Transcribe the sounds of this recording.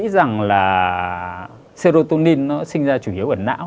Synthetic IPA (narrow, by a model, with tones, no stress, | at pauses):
za˨˩ŋlaː˨˩ | se˧zo˧t̪o˧ni˧nːɔ˨˦sï˧ŋ̟zaː˧t͡ɕu˧˩ʔi˨˦əwʔəː˧˩na̰ː˧˥w